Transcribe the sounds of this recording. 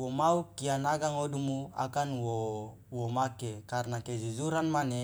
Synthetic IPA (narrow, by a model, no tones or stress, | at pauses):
womaukːianaɡaŋodumua̰kanwo | womakekarnaked͡ʒuzuɾanmane